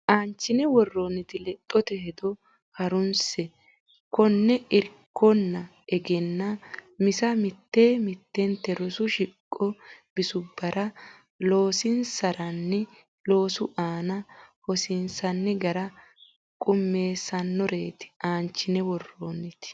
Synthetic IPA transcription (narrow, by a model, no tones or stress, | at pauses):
ʔaːnt͡ʃːɪnɛwɔrːoːnːɪt̪ɪlɛt̪ʼːɔt̪ɛɦɛd̪ɔ | hɐɾʊnsɛ | kɔnːɛɪɾkʰːɔnːɐ | ɛɡɛnːɐmɪsɐmɪt̪ːeːmɪt̪ːɛnt̪ɛɾɔsʊʃɪkʼːɔb̥ɪsʊbːɐɾʔɐ | lo̞ːsɪnsɐɾɐnːɪ | lo̞ːsʊʔaːnɐhɔsɪnsɐnːɪɡɐɾɐ | kʼʊmːe̞ːsɐnːɔɾe̞ːt̪ɪ̥aːnt͡ʃːɪnɛwɔrːoːnːɪt̪ɪ̥